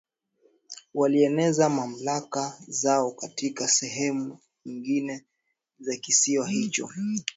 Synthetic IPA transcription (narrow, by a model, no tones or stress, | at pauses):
waliɛnɛzamam̩lakazaɔkatikasɛɦɛmu | ɲiŋɡinɛ | zakisiwaɦit͡ʃɔ̰